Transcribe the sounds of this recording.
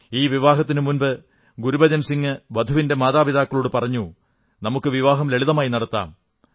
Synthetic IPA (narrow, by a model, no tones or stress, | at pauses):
iːʋiʋaːɦɐt̪ːinɨmunbɨ | ɡuɾubɐd̪jɐmsiŋːɨʋɐd̪ʱuʋinde̞maːðaːbiðaːkːɐɭuːɽɨpɐrɐɲːu | nɐmukːɨʋiʋaːɦɐmleɭiðɐmaːjinɐɽɐt̪ːa̰ːm